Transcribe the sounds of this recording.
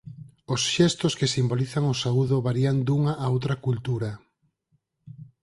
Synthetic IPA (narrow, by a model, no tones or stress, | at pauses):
osʃɛst̪oskesimboliθaŋosauðoβaɾiand̪uŋaʔːowt̪ɾɐkult̪uɾɐ